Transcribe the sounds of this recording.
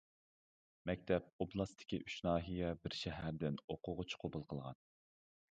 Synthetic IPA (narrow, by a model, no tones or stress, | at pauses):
mɛkʲt̪ʰɛp̚oblˠɑst̪ʰɪ̥kʲiʔyt͡ʃnɑːɦijɛbɪɾʃɛɦæɾd̪ɪnoqʰʊʁʊt͡ʃʰqʰobʊlˠqʰəlˠʁɑ̰n